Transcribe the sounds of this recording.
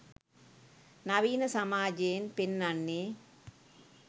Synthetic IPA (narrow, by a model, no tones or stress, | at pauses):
nɐʋiːnɐsɐmaːd͡ʒeːnpɪnːɐnːi